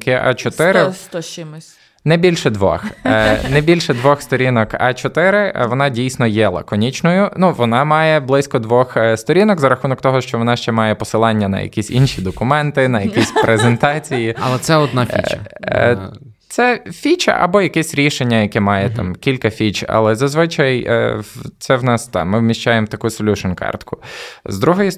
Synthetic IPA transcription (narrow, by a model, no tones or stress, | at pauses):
kɪʔɐ̰t͡ʃɔt̪ɪɾɪm | nɛbʲilʲʃɛd̪ʋɔ̰xnɛbʲilʲʃɛd̪ʋɔxst̪ɔɾʲinɔkɐ̰t͡ʃɔt̪ɪɾɪʋɔnɑdʲijsʲnɔjɛlˠɐ̰kɔnʲit͡ʃnɔjʊnuʋɔnɑmɑjɛblˠɪsʲkɔd̪ʋɔxst̪ɔɾʲinɔkzɐɾɐxunɔkt̪ɔɦɔʃt͡ʃɔʋɔnɑʃt͡ʃɛmɑjɛpɔsɪlˠɑnʲːɐnɐ̰jɐ̰kʲisʲinʃʲid̪ɔkʊmɛnt̪ɪnɐjɐkʲisʲpɾʔezent̪ɑt͡sʲijiɐlˠɛt̪sɛɔd̪nafʲit͡ʃɐ | t̪sɛfʲit͡ʃɐ̰ʔɐ̰bɔjɐkɛsʲɾʲiʃenʲːɐjɐkɛmɑjɛt̪ɑ̰mkʲilʲkɐfʲit͡ʃɐ̰lˠɛzɐzʋɪt͡ʃɐj̰ | t̪sɛwnɑst̪ɑ̰mːɪwmʲiʃt͡ʃajemt̪ɐkusɔlʲuʃɔnkɑ̰rt̪kʊzd̪ɾuɦɔji